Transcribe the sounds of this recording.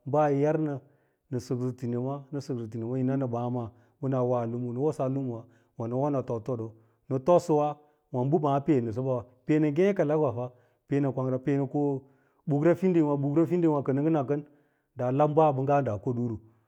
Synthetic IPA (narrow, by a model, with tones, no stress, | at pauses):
ba˦˨jja˦ɾnə˨ | nə˨su˨kzi˨ti˨ne˨ma˦nə˨su˨kzi˨t̬i˨ne˨ma˦ji˨na˦nə˨ba˨˦ma˨ | bu˦na˨wa˦˨lu˦mu˨nə˨wo˦sa˦lu˦mu˨wa˨ | wa˨nə˨˦wo˦na˨to˨to˦do˨ | nə˨to˦sə˦wa˦ | wa˨n˦bu˦ma˨˦pe˦˨nə˨s̬o˦ba˦a˨ | pe˦nə˨ɡẽ˦ka˨la˦ɡwa˨fa˦ | pe˨˦nə˨kʷa˨ŋɾa˨pe˦nə˨ko˦ | bu˨ɡɾa˦fi˦ndi˦˨wa˨bu˨ɡɾa˦fi˦ndi˦wa˨kə˨nə˦ɡə˦na˨kə˦n | da˨la˦m˦ba˦˨bə˨ŋɡa˦da˨ko˦du˦ɾu˨